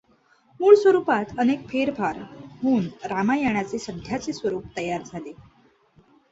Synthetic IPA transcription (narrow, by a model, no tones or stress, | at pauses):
muːɭsʋəɾupat̪ənek̚fʰeɾfaɾɦuːnɾamajaɳ̃at͡sesəd̪ʱjat͡sesʋəɾuːp̚t̪əjaɾd͡zʱale